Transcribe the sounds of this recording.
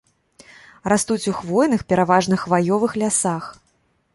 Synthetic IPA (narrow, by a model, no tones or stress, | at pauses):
ɾast̪ut͡sʲuxvɔjnɨxpʲɛɾavaʐnɨxvajɔvɨxlʲasax